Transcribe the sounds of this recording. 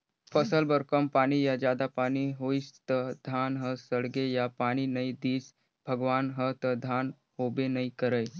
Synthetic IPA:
pəsəlbəɾkəmpaːnijad͡ʒjaːd̪apaːniɦoːist̪əd̪ʱaːnɦəsəɽɡejapaːñinɐĩd̪iːs | bʱəɡʋaːnɦət̪əd̪ʱaːn | ɦoːbenɐĩkəɾəj

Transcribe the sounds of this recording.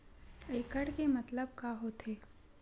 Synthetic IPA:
eːkəɽkemɐt̪ləb̚kaɦot̪ʰeː

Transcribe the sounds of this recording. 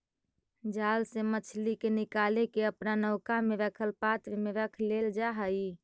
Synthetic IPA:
d͡ʒalsemət͡ʃʰlikenɪkalekeəpnanəʊkameʋəkʰəlpat̪emeʋəkʰleld͡ʒaɦəi

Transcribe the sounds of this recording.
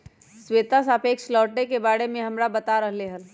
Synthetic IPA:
sweːt̪asaːpeːkslɔːʈːekebaːɽemẽɦɐmɾabɐt̪aɾəɦleɦɐl

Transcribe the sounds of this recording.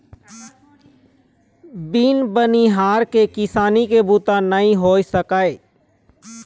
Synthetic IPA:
biːnbəniɦaːɾkekɪsaːnikebuːt̪anəĩɦoːisəkaːeː

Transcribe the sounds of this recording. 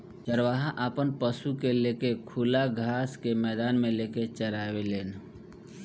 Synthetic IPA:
t͡ʃəɾʋaːɦaʔaːpənpəsukeleːkekʰulaɡʱaːskemɛːd̪aːnmẽleːket͡ʃəɾaːweleːn

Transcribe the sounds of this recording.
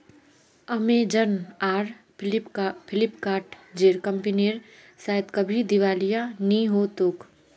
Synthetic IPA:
ɐmẽd͡ʒəɾnaːɾ | pʰɪlɪppʰɪlɪpkaːɾʈd͡ʒeːɾkə̃mpineɾ | saːɛt̪kɐbʱid̪ɪʋaːlijanĩɦoːt̪ok

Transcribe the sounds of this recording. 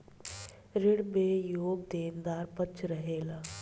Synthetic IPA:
ɾɪɽmẽjoːɡ̚d̪eːnd̪aːɾpət͡ʃɾəɦeːlaː

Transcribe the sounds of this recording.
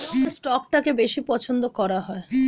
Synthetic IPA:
sʈɔkʈakebeʃipɔt͡ɕʰond̪okɔɾaɦɔe

